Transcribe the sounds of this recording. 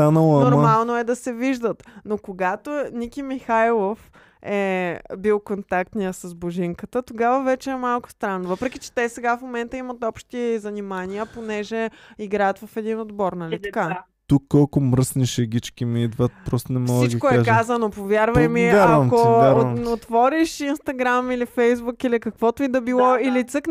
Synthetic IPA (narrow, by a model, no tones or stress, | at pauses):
t̪anəlˠɐnoɾmalˠnoɛd̪ɐsɛviʒd̪ət̪nokoɡat̪onikʲimixajlˠof | ɛbilˠkont̪ak̚t̪nijəsɐzboʒiŋkət̪ət̪oɡavəvɛt͡ʃɛɛmalˠkʊ̥st̪ɾanvɤpɾɛkit͡ʃɛ̥t̪ɛsɛɡafmomɛnt̪əimət̪ɔpʃt̪izɐnimaniəponɛʒɛiɡɾajət̪vɐfɛd̪inod̪bɔɾnɐlit̪ɐka | t̪ukːɔlˠkʊmɾəsniʃɛɡʲit͡ʃkʲimiid̪vət̪̚pɾɔst̪onɛmfɔsiɡt͡ʃkʊɛʒkazənopovʲjaɾvəjmiaaɾvmkoaɾnot̪vɔɾiʃinst̪ɐɡɾamilifɛjzbukilikɐkvɔt̪ʊid̪ɐbilˠɔilit̪sɤk